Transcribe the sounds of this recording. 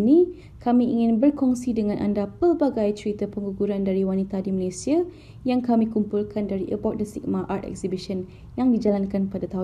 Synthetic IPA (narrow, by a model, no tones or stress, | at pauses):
ni | kamĩʔiŋɪ̃nbərkɔŋsidəŋãnʔa̰ndapərbaɡajt͡ʃəɾit̪apəŋɡuɡuɾandaɾiwanit̪adimalesia | jaŋkamĩkumpulkʰandaɾiʔəbɔk̚dəsik̚maʔart̪ɛ̰ksibiʃən | jaŋdid͡ʒalankanpadat̪aɦu